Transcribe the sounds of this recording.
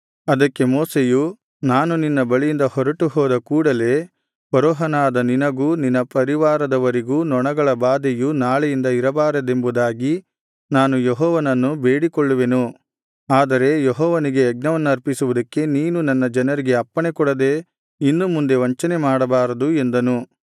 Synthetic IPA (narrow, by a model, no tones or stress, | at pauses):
ɐd̪ɐkːe̞moːseju | naːnuninːɐbɐɭijind̪ɐhɔɾɐʈuhɔːd̪ɐkuːɽɐle̞ː | pɐɾɔːɦɐnaːd̪ɐninɐɡuːninːɐpɐɾiʋaːɾɐd̪ɐʋɐɾiɡuːnɔɳɐɡɐɭɐbaːd̪ejunaːɭejind̪ɐiɾɐbaːɾɐd̪e̞mbud̪aːɡi | naːnujeɦɔːʋɐnɐnːubeːɽikɔɭːuʋe̞nu | aːd̪ɐɾe̞jeɦɔːʋɐniɡe̞ːɡ̚nɐʋɐnːuɐɾpisuʋud̪ɐkːe̞niːnunɐnːɐd͡ʒɐnɐɾiɡe̞ɐpːɐɳekɔɽɐd̪e̞ | inːumund̪e̞ʋɐɲt͡ʃɐnemaːɽɐbaːɾɐd̪uend̪ɐnu